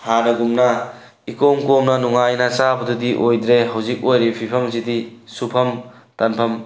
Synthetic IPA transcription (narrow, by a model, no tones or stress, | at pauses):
haɾɐɡumnɐ | ikomkomnɐnuŋajnasabɐdudiʔojd̪ɾeɦɐwzik̚ojɾipʰipʰɐmzidisupʰɐm | tɐnpʰɐm